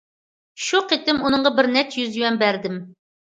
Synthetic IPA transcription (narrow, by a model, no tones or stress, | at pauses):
ʃuqʰet̪ɪmunɨɴʁɑbɪɾnɛt̪jyzjywɛmbæɾd̪ɪm